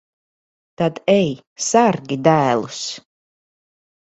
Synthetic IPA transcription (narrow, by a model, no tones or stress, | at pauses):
t̪ad̪ɛj | saɾɡid̪æːlˠus